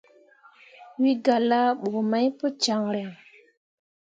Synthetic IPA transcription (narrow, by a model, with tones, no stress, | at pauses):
wi˦ɡa˨la˦ɓo˨ma˦jpo˦t͡ʃa˨ŋɾe˨ŋ